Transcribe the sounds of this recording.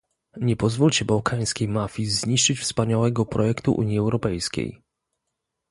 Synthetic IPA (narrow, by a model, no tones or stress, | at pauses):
ɲɛpɔzvulʲt͡ɕɛbawkʰaj̃skʲejmafʲizɲiʂt͡ʂɘt͡ɕfspaɲawɛɡɔpɾɔjɛkt̪uʔṵɲjiɛwɾɔpɛjskʲḛj